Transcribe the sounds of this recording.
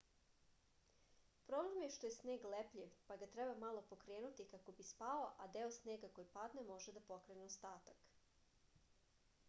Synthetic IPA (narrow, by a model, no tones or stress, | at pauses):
pɾo̞blemjeʃt̪o̞jesneːɡlepʎiʋpaɡat̪ɾɛbamalˠo̞po̞kɾeːnut̪ikako̞bispaoʔad̪eosneːɡako̞jipad̪nemo̞ʒed̪apo̞kɾeneost̪aːt̪ak